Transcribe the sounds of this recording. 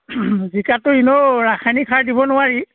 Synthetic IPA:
zikatʊinɔɹaxʰanikʰaɹdibɔnʊwaɹi

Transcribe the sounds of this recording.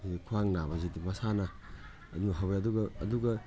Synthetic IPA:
idikʰuaŋnabɐzidimɐsanɐ | ɐduŋɐɦawbeɐduɡɐːduɡɐ

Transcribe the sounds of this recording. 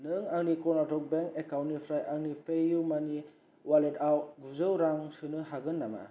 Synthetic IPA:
nɯŋaŋnikɔnatɔk̚beŋkekawnipʰɾajʔaŋnipʰejumani | waletawɡuzɯwɾaŋsɯnɯɦaɡɯnːama̰

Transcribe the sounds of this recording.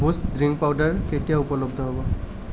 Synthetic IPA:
bʱusdɹiŋɡ̚pawdaɹketijaupɔlɔbd̪ʱɔɦebɔ

